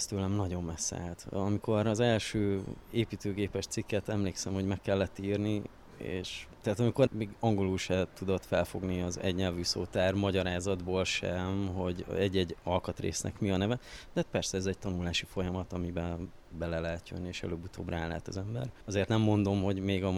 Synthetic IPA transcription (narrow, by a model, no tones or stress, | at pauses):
st̪øːlɛmnɒɟo̞mbɛsːɛ̰lt̪ɒmiko̞ɾɒzɛlʃøːeːpiːt̪øːɡeːpɛʃt̪sikːɛt̪ɛmleːksɛmho̞ɟmɛkːɛlːɛt̪ːiːrni | ḛːʃt̪ɛaːt̪ɒmiko̞ɾmeːɡɒŋɡoluːʃɛt̪ud̪o̞t̪fɛlfo̞ɡniɒzɛ̰ɟɲɛlvyːso̰ːt̪aːrmɒɟɒɾaːzɒd̪boːlʃɛmɦo̞ɟɛɟːɛɟɒlkɒt̪rḛːsnʔɛ̰kmiɒnɛvɛt̪ɛɦːt̪̚pɛrsɛɛzɛɟ̚t̪ɒnulaːʃifo̞jɒmɒt̪ɒmibɛbɛlɛlɛɦɛt̪jonːieːʃɛ̰løːbːut̪ʰo̰ːbraːlɛ̰ːt̪ɒ̰zɛmbɛ̰rɒzeːrt̪nɛmːo̞nd̪o̞mɦo̞ɟmeːɡɒ